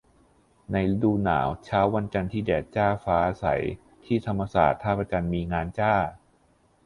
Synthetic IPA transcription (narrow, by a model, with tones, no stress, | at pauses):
na˧jduː˧na̰ː˩˦wt͡ɕʰaː˦˥wːa˧nt͡ɕa˧nt̪ʰiː˥˩dɛː˨˩t̪̚t͡ɕaː˥˩faː˦˥ʔaː˧sa̰˩˦j | t̪ʰiː˥˩t̪ʰa˧mːa˧sa̰ː˨˩t̪ʰːaː˥˩p̚ːa˧t͡ɕa˧nmiː˧ŋaː˧nt͡ɕaː˥˩